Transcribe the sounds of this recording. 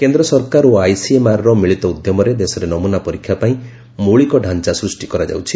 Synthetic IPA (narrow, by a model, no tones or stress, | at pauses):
kend̪ɾɔsɔɾkaɾuajsiemaɾɔɾɔmiɭit̪ɔud̪jɔmɔɾed̪esɔɾenɔmunapɔɾikʰjapaĩ | muɭikɔɖʱant͡ʃasɾusʈikɔɾad͡ʒa̰wt͡ʃʰi̥